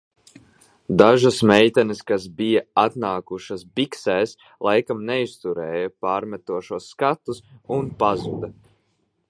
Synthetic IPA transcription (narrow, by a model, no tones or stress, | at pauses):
d̪aʒusmɛjt̪ʲɛniskasbijaat̪naːkuʃasbiksɛːs | lˠajkamnɛist̪uɾɛːjapaːɾmɛt̪uɔʃuɔsːkat̪usunpazud̪ɐ